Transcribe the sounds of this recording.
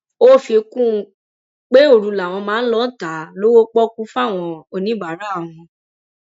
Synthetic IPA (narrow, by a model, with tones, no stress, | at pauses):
o˦˨fi˧kũ˦˧ | k͡pe˦o˦˨ɾu˨˧la˨w̃ɔ̃˧mãː˨˦lɔ˦ta˨˦lo˦wo˦k͡pɔ˦ku˦fa˦˨w̃ɔ̃˧o˧nĩ˨˦ba˨ɾa˨˦˨w̃ɔ̃˧